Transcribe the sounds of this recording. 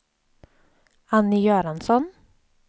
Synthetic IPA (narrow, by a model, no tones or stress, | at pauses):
anːɪjøːɾansɔn